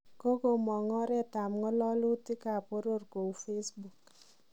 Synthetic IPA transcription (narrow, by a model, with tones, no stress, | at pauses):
ko˦ko˨mɔ˨ŋɔ˦ɾɛ˦ta˨mŋɔ˦lɔ˦lu˦tɪ˦ka˨po˦ɾo˦rko˨u˨fe˦sbu˨k